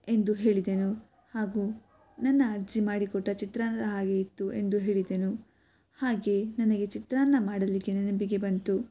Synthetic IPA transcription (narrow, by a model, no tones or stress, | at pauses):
e̞nd̪uɦe̞ːɭid̪enu | haːɡuː | nɐnːɐːɾd͡ʒimaːɽikɔʈːɐt͡ʃit̪ɾaːnɐd̪ɐɦaːɡe̞it̪ːuʔe̞nd̪uɦe̞ːɭid̪enu | haːɡe̞nɐnɐɡe̞t͡ʃit̪ɾaːnːɐmaːɽɐliɡenɐnɐbiɡe̞bɐnt̪u